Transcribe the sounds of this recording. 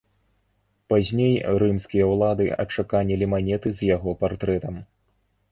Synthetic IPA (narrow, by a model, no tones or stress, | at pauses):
pazʲnʲejɾɨmskʲijɐwlˠad̪ɨɐ̰t͡ʂakanʲilʲimanʲɛt̪ɨzʲjaɣɔpart̪ɾɛt̪ɐm